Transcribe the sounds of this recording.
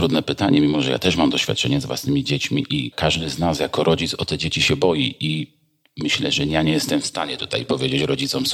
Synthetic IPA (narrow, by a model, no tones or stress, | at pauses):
t̪ɾud̪nɛpɘt̪aɲɛmʲimɔʐɛja̰t̪ɛʂmamd̪ɔɕfʲat̪̚t͡ʂɛ̰ɲɛzvwa̰snɘmʲid͡ʑet͡ɕmʲḭʔikaʐd̪ɘznasjakɔɾʔɔd͡ʑit̪sɔt̪ɛd͡ʑet͡ɕiɕɛbɔjiʔi | mɘɕlɛ̰ʐɛjaɲɛjɛst̪ɛmfst̪aɲɛt̪u̥t̪a̰jpɔvʲjed͡ʑet͡ɕɾɔd͡ʑit̪sɔms